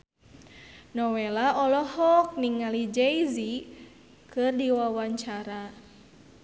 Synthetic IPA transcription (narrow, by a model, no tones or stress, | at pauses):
nɔwelaɔlɔhɔk̚niŋalid͡ʒɛizi | kɨrdiwawaɲt͡ʃaɾa